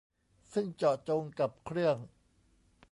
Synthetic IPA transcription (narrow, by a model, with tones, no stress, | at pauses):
sɯ˥˩ŋt͡ɕɔː˨˩t͡ɕo˧ŋka˨˩p̚kʰɾɯ˥˩əŋ